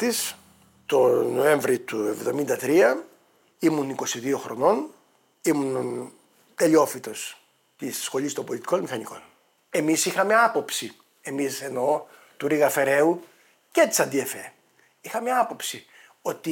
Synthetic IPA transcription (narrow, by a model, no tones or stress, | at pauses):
t̪is | t̪o̞no̞e̞ɱvɾit̪ue̞vðo̞mind̪ɐt̪ɾiɐ | imuniko̞siðio̞xɾo̞̰no̞n | imun | t̪eʎo̞fit̪o̞s | t̪issxo̞list̪ombo̞lʲit̪iko̞nmixɐniko̞̰n | e̞misixɐmeɐpo̞psi | emise̞no̞ | t̪uɾiɣɐfe̞ɾe̞u | ce̞t̪i̥sɐnd̪iefe | ixɐmeɐpo̞psi | o̞t̪i